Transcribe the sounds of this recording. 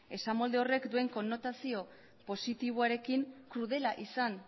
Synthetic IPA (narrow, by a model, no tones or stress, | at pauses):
e̞samo̞ld̪e̞o̞re̞kd̪ue̞ŋko̞nːo̞t̪asio̞ | po̞sit̪iβ̞oaɾe̞kiŋkɾuð̞e̞laʔisan